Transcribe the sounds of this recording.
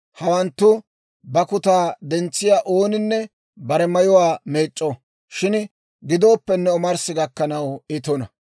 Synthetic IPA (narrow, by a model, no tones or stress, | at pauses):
hɐwɐnt̪ːʊ | bɐkʊt̪aːd̪ɛnt͡sːɪjaːʔo̞ːnɪnːɛ | bɐɾɛmɐjɔwaːme̞ːt͡ʃʼːɔ | ʃɪn | ɡɪd̪o̞ːpːɛnːɛɔmɐɾsɪɡɐkːɐnɐwɪt̪ɔnɐ